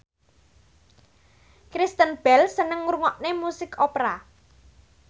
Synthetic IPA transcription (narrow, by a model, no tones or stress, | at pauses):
kɾist̪ənb̥ɛlsənəŋːuɾŋɔʔnemusɪkʰɔpɾa